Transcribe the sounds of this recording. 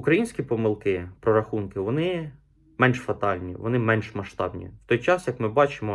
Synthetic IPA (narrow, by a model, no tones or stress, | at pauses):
ukɾɐjinʲsʲkʲipɔmɪlˠkɪpɾɔɾɐxunkɪʋɔnɪ | mɛnʲʃfɐt̪ɑlʲnʲḭʋɔ̰nɪmɛnʲʃmɐʃt̪ɑbnʲḭwt̪ɔjt͡ʃɑsjɐkmɪbɑt͡ʃɪmɔ